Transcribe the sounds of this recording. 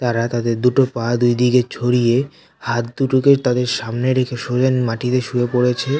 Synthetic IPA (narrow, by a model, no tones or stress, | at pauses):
t̪aɾat̪ad̪eɾd̪uʈopad̪ujd̪iɡet͡ɕʰoɾije | hat̪̚d̪uʈoket̪ad̪eɾʃamneɾekʰeʃod͡ʑanmaʈit̪eʃuepoɽet͡ɕʰe